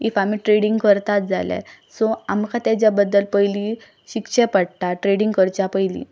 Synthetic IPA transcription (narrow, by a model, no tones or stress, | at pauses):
ifamiːʈɾeɽiŋɡkəɾt̪at̪̚d͡zʱalɛ̰sɔamkʰat̪jat͡ɕjabəd̪ːəlpəjli | ɕikɕɛpəɽt̪aʈɾeɽiŋɡkəɾt͡ɕjapəjlḭ